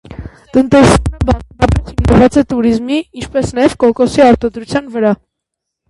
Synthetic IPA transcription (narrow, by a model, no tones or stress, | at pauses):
t̪ənt̪ɛsəbɑpʰɔχhimnəvɑt͡sɛt̪uɾizmiint͡ʃʰpɛsnɑjɛv̥kɔkɔsiɑɾt̪ɔd̪ɾut͡sʰjɑnvəɾɑ